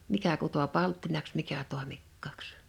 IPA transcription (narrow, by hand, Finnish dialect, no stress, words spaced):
mikæ kuto pɑltːinɑks mikæ toˑemikːɑˑks